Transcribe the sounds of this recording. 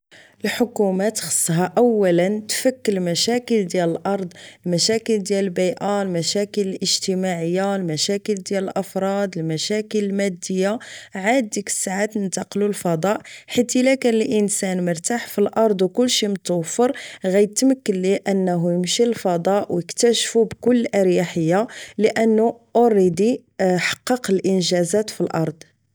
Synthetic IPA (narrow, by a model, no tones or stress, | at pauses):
əlħʊkumæt̪xə̥sˤːɦæʔæwːælənt̪fəkːəlmæʃækəld̪jæləlʔɑɾˤd̪ˤəlmæʃækəld̪jæləlbiʔalmæʃækələlʔəʒt̪əmaʕəjːalmæʃækəld̪jæləlʔɑfɾˤɑd̪əlmæʃækələlmæd̪ːəjːaʕad̪ːikə̥sːaʕat̪nənt̪ɑqlulfɑd̪ˤɑʔħit̪ilækænəlʔənsænməɾt̪aħfilʔɑɾˤd̪ˤwkʊlːʃimt̪ufəɾˤɣæjət̪məkːənliʔənːɦujəmʃilfɑd̪ˤɑʔwjəkt̪æʃfubkʊlːʔəɾjaħəjːaləʔənːuʔoɾˤid̪i | ħɑ̥qːɑqəlʔənʒæzæt̪filʔɑ̰ɾˤd̪ˤ